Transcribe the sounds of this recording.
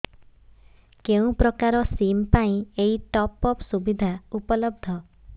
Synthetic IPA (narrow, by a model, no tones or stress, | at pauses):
keũpɾɔkaɾɔsimpaĩeiʈɔpɔpsubid̪ʱaupɔlɔb̚d̪ʱɔ